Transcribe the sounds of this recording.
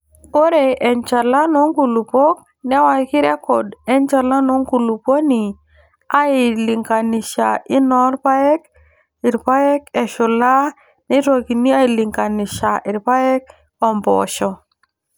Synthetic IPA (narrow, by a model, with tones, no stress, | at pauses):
o˦ɾe˨ʔɛ˨nt͡ʃa˨la˦nɔ˦ŋɡu˨lu˨po˦k̚ | nɛ˦wa˦kɪ˦ɾɛ˦kɔ˨dɛ˦nt͡ʃa˨la˦nɔ˨˦ŋɡu˨lu˨po˦ni˨ | a˦ɪ˨lɪ˨ŋka˨nɪ˨ʃa˨ʔɪ˦nɔ˦ɾpa˦ɛ˦k̚ | ɪ˨ɾpa˦jɛ˦kɛ˨ʃʊ˨la˦ | nɪ˦two˨ki˨ni˦a˦ɪ˨lɪ˨ŋka˨nɪ˨ʃa˨ʔɪ˨ɾpa˦ɛ˦k | ɔ˨mbɔ̰˨ʃɔ˨